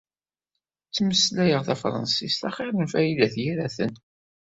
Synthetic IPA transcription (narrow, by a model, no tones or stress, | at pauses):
t͡sːməslæjəʁθæfɾˤɑ̰nsist̪æχɪɾənfæjilæθjiɾæθə̰n